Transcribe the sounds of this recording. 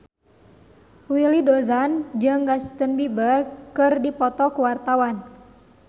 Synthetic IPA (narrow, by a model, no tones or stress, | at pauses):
wilidɔzand͡ʒɨŋɡast̪ənbibərkɨrdipɔt̪ɔkuwart̪awan